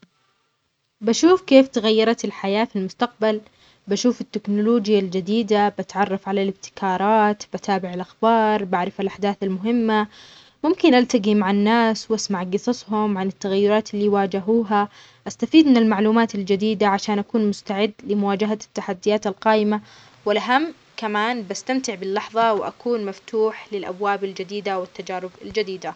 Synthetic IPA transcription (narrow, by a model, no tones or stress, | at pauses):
baʃuːfkeːft̪aɣajːɑɾˤɑt̪ɪlħajaːfilmʊst̪aq̚bal | baʃuːfɪt̪ːɪknʊloːd͡ʒɪjald͡ʒɪd̪iːd̪abat̪ʕɑrˤːɑfʕalalɪb̚t̪ɪ̥kʰɑːɾˤɑːt̪bʔat̪aːbɪʕɪlʔaxbɑːɾˤbaʕɾɪfalʔaħd̪aːθalmʊɦɪmːa | mʊmkɪnʔalt̪aɡimaʕanːaːswʔasmaʕɡɨsˤɑsˤhʊmʕanɪt̪ːaɣajːʊɾˤɑːt̪ɪlːiːwaːd͡ʒaɦuːɦa | ʔast̪afiːd̪mɪnɪlmaʕluːmaːt̪ald͡ʒad̪iːd̪aʕaʃaːnʔakuːnmʊst̪aʕɪd̪ːlɪmʊwaːd͡ʒaɦat̪ːaħad̪ːɪjaːt̪alqɑːʔɪma | wɪlʔaɦamː | kamaːnbast̪amt̪ɪʕbɪlːɑħðˤɑwɪʔa̰kuːnmaft̪uːħlɪlʔa̰bwaːbald͡ʒad̪iːd̪awɪt̪ːad͡ʒaːɾɪbald͡ʒad̪iːd̪a